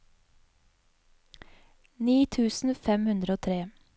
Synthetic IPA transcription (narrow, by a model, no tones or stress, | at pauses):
niːt̪ʰʉːsn̩fɛmhʉnd̪ɾəoːt̪ʰɾeː